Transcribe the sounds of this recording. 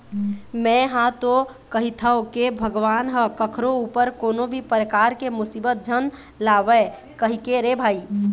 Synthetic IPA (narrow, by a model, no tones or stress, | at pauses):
mɛ̃ɦãt̪o | kəɦit̪ʰəokebʱəɡʋanɦəkəkʰɾoupəɾkonobʱipəɾəkaɾkemusibət̪̚d͡ʒʱən | laʋɛ | kəɦikeɾebʱaːi